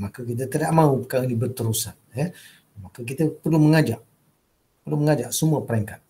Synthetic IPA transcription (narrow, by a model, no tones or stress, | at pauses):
makək̬it̪̬ət̪idaʔmaupəkainibərt̪əɾusanja | makək̬it̪əpərluməŋad͡ʒaʔ | pərluməŋad͡ʒaʔsəmuəpəɾaŋkat̪̚